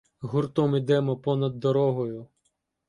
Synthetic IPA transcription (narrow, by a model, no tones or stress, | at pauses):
ɦʊrt̪ɔmid̪ɛmɔpɔnɐd̪ːɔɾɔɦɔjʊ